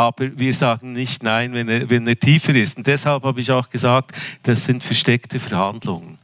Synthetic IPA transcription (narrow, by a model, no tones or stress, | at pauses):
ʔaːb̥əɾviːɾzaːɡn̩nɪçtnaɪnvɛneːvɛneːtʰiːfəɾɪstʊnt̚d̥ɛshalphaːbəɪçaʊxɡ̥əzaːk̚td̥asz̥ɪntfɛɾʃtɛktʰəfɛɾhandlʊŋən